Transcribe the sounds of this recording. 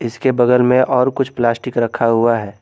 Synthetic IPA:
ɪskebɐɡəlmẽʔɔːɾkʊt͡ʃʰplaːsʈɪkɾɐkʰːaɦuaɦɛː

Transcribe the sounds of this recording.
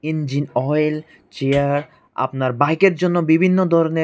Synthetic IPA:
ind͡ʑinɔjl | t͡ɕeaɾ | a̰pnaɾbajkeɾd͡ʑonːobibʱinːod̪ʱɔɾone

